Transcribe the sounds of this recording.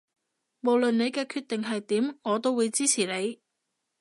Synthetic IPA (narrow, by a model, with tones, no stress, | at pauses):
mo˨˩wlɵ˨ne˨˧jkɛː˧kʰyː˧t̚t̪ɪ˨ŋɦɐ˨jt̪iː˨˥mŋɔː˨˧t̪o˥wuː˨˧jt͡siː˥t͡sʰiː˨˩ne˨˧j